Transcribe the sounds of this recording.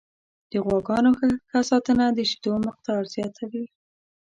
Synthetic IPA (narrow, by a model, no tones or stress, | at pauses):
d̪̥əɣwɑɡɑnoxxasɑt̪ənad̪əʃi̥d̪oməq̚t̪ɑɾzjɑt̪ʰawi